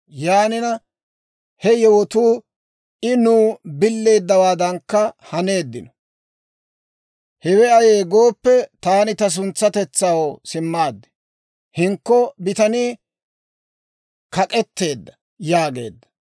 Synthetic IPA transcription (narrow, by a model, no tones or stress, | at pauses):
jaːnɪnɐ | hɛjɛwɔt̪uː | ʔɪnuːbɪlːe̞ːd̪ːɐwaːd̪ɐŋkːɐhɐne̞ːd̪ːɪnɔ̥ | hɛwɛɐjeːɡo̞ːpːɛt̪aːnɪt̪ɐs̬ʊnt͡sːɐt̪ɛt͡sːawosɪmːaːd̪ːɛ̥ | hɪŋkːɔbɪt̪ɐniː | kɐkʼɛt̪ːe̞ːd̪ːɐ̥ | jaːɡe̞̰ːd̪ːɐ̥